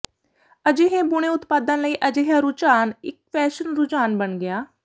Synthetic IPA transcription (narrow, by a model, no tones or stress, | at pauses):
əd͡ʒeːɦẽːbʊɽ̃ẽːʊt̪paːd̪ãnləiːʔəd͡ʒeːɦãːɾʊt͡ʃaːnɪk̚pʰɛːʃənɾʊt͡ʃaːnbənɡɪjaː